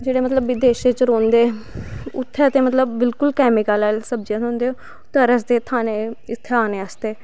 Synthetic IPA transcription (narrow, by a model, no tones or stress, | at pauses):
d͡ʒeːɽeːmət̪ləbːɪd̪eːʃeːt͡ʃɾoːnd̪eːʊt̪ʰːɛːət̪eːmət̪ləbːɪlkʊlkɛːmɪkaːlaːlsəbd͡ʒãːt̪ɦõːnd̪eːoː | t̪əɾəsd̪eːt̪ʰaːneːɪt̪ʰːeːaːneːaːst̪eː